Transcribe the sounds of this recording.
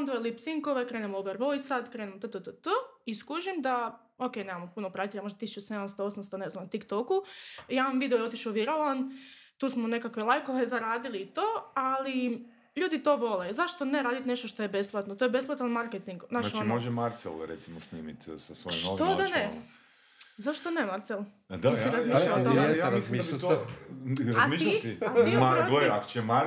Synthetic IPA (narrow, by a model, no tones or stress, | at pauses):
ond̪oelipsiŋkoʋekɾeːnemoubeɾʋo̞jsad̪kɾeːnemot̪ət̪ət̪ət̪əiskuʒimd̪a | okejneːmamopunopɾat̪eʎamo̞ʒd̪at̪isu̥t͡ʃuse̞d̪amst̪oosamst̪one̞znant̪ikt̪okujaʋamʋid̪eojeo̞t̪iʃuʋiɾolant̪uːsmone̞kakʋelˠajkoʋezaɾaːd̪iliːt̪oːali | ʎuːd̪it̪o̞ʋo̞lezaʃt̪o̞ne̞ɾaːd̪it̪ne̞ʃt̪oʃt̪o̞jebe̞splˠat̪not̪ojebe̞splˠat̪anmaɾket̪iŋɡnat͡ʃaoimoʒemaɾt̪sḛlɾet̪simosniːmit̪sasʋojimot̪od̪ane | zaʃt̪onemaɾt̪sel | d̪aaiɾazmiːʃʎalaejaisima | ɾaazmiːʃʎasiaimaoako̥t͡ʃeema